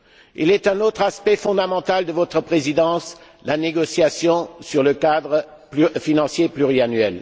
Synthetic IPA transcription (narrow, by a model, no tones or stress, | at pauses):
ḭlɛt̪ɛ̃not̪χaspɛfɔ̃d̪amɑ̃t̪ald̪əvɔt̪χəpχezid̪ɑ̃s | laneɡɔsjasjɔ̃syʁləkad̪ʁə | pfinɑ̃sjeplyʁianɥɛl